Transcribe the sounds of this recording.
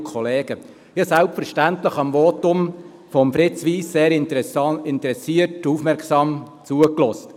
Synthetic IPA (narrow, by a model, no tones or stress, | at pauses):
kʰɔleːɡ̥ə | jɑsælpfɛɾʃtæntləχɑmʋɔːtʊm | fɔmfɾɪt͡sʋiːsːeːɾɪntɪntəɾɛsiəɾtufmɛɾksɑːm | t͡suəklɔst